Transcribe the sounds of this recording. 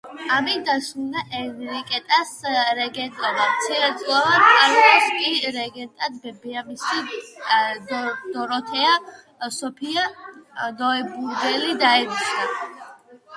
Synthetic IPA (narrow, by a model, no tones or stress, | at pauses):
amid̪aʃud̪aʔɛnɾikʼɛt̪ʼasɾɛɡɛnt̪ʼɔd̪at̪sʰɛɾɛd̪sʼlˠavankʼaɾlɔskʼiɾɛɡɛnt̪ʼad̪bɛbiamisi | d̪ɔɾɔt̪ʰɛa | sɔpʰianɔɛbuɾd̪ɛlid̪aɛd̪it͡ʃʰna